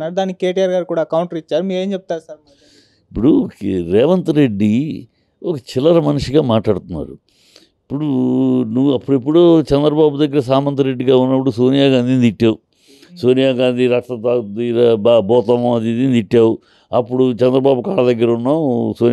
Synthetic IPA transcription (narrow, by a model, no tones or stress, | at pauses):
aːɾud̪aːnikkeːʈijaːɾɡaːɾkuːɽaːɐkɐwuɳʈɐɾit͡ʃːaːɾumiːɡeːɲt͡ʃep̚t̪aːɾusɐɾ | ipːuɽuɾɛːʋɐnt̪ɐɾeɖːi | ɔkɐt͡ʃilɐɾɐmɐnuʂiɡaːmaːʈɭaːɽt̪unːa̰ːɾu | ipːuɽunuʋːuɐpːuɽiep̬ːuɽot͡ʃɛnd̪ɾɐbaːbud̪ɐɡːɐɾɐsaːmɐnt̪ɐɾe̞ɖːiɡaːunːɐp̬ːuɽusoːnijaːɡaːnd̪int̪iʈːaːwu | soːnijaːɡaːnd̪iɾaːkʂʈɐt̪aːd̪iɾbɔːt̪ɐmɐmɐd̪id̪int̪iʈːaːwu | ɐpːuɽut͡ʃɛnd̪ɾɐbaːbukaːɭɐd̪ɐɡːɐɾɐunːaːsoː